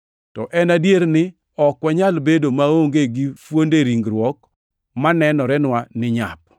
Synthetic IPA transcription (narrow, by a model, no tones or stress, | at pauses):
tɔʔɛnadjeɾnɪ | ɔkwɛɲalbedomaoŋɡeɡɪfwondeɾiŋɡɾwɔk | manɛnɔɾɛnwanɪɲa̰p̚